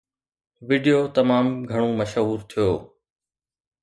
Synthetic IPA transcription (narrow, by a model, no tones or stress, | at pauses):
ʋɪɖijoːt̪ɐmaːmɡʱɐɽ̃omɐʃɦuːɾt̪ʰijoː